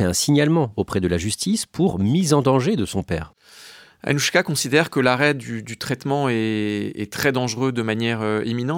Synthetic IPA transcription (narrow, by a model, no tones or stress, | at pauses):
ɛɛ̃siɲalmɑ̃opχɛd̪əlaʒyst̪ispʰuʁmizɑ̃d̪ɑ̃ʒed̪əsɔ̃pɛ̰ːʁ | a̰nuʃkakɔ̃sid̪ɛʁkəlaʁɛd̪yd̪yt̪χɛt̪mɑ̃ɛɛ̰t̪χɛd̪ɑ̃ʒʁød̪əmanjɛʁøeminɑ̃